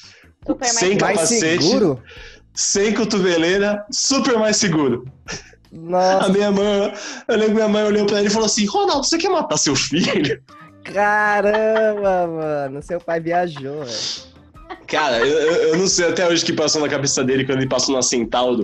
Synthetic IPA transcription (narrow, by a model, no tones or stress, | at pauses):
upsmẽj̃kajpasseɡt͡ʃɪɾʊ | sẽj̃kot̪ubeleɾɐsupeɾmajsɪɡuɾʊ | nɔɐmĩɲɐmɐ̃j̃ewlẽbɾkmĩɐmɐ̃j̃oʎewpɾɐelɪfaloasĩhonawd̪ʊsekɛɾmat̪asewfiʎʊ | kaɾɐ̃bɐmɐ̃nʊseʊpajviaʒoɛ | kaɾɐewewewnɐ̃w̃sejat̪ɛoʒɪkɪpasonɐkabesɐd̪elɪkɐ̃d̪elɪpasonɐsẽnt̪awd̪ʊ